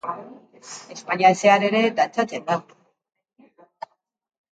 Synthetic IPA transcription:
e̞spaɲiase̞aɾe̞ɾe̞d̪ant͡sat͡se̞nd̪a

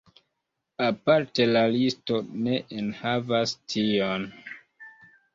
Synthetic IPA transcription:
apaɾte̞lalisto̞ne̞ʔenhavastʰion

